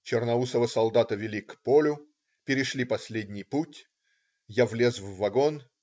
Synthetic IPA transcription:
t͡ɕɪrnɐusəvəsɐlˠd̪at̪əvʲɪlʲikpolʲʊ | pʲɪɾʲɪʂlʲipɐsʲlʲedʲnʲɪjputʲ | javlʲe̞zvːɐɡon

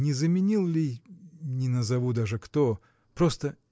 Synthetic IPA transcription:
nʲɪzəmʲɪnʲilˠlʲijnʲɪnəzɐvud̪aʐɨkt̪o | pɾost̪ə

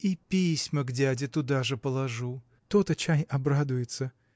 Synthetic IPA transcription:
ipʲisʲməɡdʲadʲɪt̪ʊd̪aʐɨpəlˠɐʐu | t̪ot̪ət͡ɕajɐbɾad̪ʊjɪt̪sə

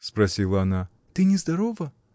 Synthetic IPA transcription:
spɾɐsʲilˠəɐna | t̪ɨnʲɪzd̪ɐɾovə

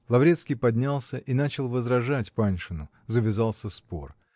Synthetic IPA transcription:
lˠɐvɾʲe̞t̪skʲijpɐdʲnʲalˠsʲəʔinat͡ɕɪlˠvəzɾɐʐatʲpanʲʂɨnʊ | zəvʲɪzalˠsʲəspor

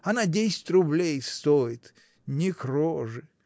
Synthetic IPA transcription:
ɐnadʲesʲɪ̥tʲrʊblʲejst̪ojɪt̪ | nʲɪkɾoʐɨ

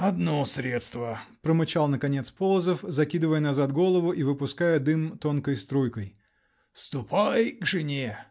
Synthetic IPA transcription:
ɐd̪nosɾʲet̪st̪vəpɾəmɨt͡ɕalˠnəkɐnʲet̪spolˠəzəfzɐkʲid̪ɨvəjənɐzat̪ɡo̞lˠəvʊʔivɨpʊskajəd̪ɨmt̪o̞nkəjst̪ɾujkəj | fst̪ʊpʰajɡʐɨnʲe

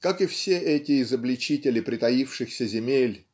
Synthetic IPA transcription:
kakɨfsʲeʔɛtʲɪɪzəblʲɪt͡ɕitʲɪlʲɪpɾʲɪt̪ɐjifʂɨxsʲəzʲɪmʲelʲ

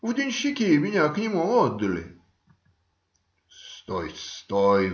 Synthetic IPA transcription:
vd̪ʲɪnʲɕːɪkʲimʲɪnʲaknʲɪmuɔd̪ːəlʲɪ̰ | st̪ɔjt̪st̪oj

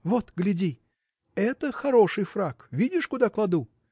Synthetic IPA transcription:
vot̪ɡlʲɪdʲi | ɛt̪əxɐɾo̞ʂɨjfrakvʲidʲɪʂkʊd̪aklˠɐd̪u

